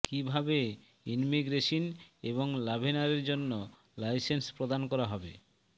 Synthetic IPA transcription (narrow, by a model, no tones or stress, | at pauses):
kibʱabe | inmiɡɾeʃineβoŋlabʱinaɾeɾd͡ʑonːo | lajsenspɾod̪ankɔɾaɦɔbe